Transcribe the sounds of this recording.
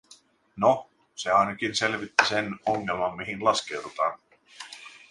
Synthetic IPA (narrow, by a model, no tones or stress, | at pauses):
no | seɑjnɑkinse̞lʋit̪ːisenoŋːelmɑmmiɦinlɑskeuwd̪ut̪ɑːn